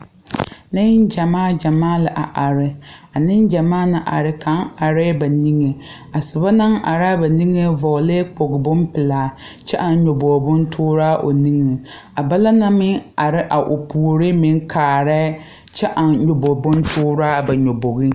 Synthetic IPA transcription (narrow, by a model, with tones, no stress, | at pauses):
nɪ˦nd͡ʒa˨maː˦d͡ʒa˨maː˦la˨ʔa˨ʔa˨ɾɪ˦a˨nɪ˦nd͡ʒa˨maː˦na˨ʔa̰˨ɾɪ˦kʰa˨˦ŋ˦a˨ɾɛ˦ba˨ni˦ŋe˨ | a˨sʊ˨ba˦na˦ŋʔa̰˨ɾa˦ba˨ni˦ŋe˦vɔ˨le˦k͡po˨ɡɪ˨bʊ˦mpɪ˨laː˨t͡ʃɛ˦ʔa˨n˦ɲo˨bo˨bʊ˦ntʰʊː˦ɾaː˦ʔo̰˨ni˦ŋe˨ | a˨ba˦la˦na˦mɪ˦ŋa˨ɾɪ˦ʔa˨ʔo˨pʰu˨ɾɪ˦mɪ˦ŋ˦kʰaː˨ɾɛ˦ | t͡ʃɛ˦ʔa˨nɲo˨bo˨bʊ˦n˦tʰʊː˦ɾaː˦ba˨ɲo˨bo˨ɣi˦